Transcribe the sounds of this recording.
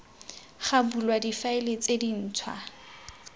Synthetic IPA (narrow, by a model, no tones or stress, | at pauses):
χabulwadifaɪlet͡sʼedin̩ːt͡sʰwa̰